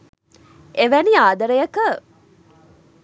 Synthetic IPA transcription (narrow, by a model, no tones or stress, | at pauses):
ʔeʋæniaːd̪ɐɾəjɐkə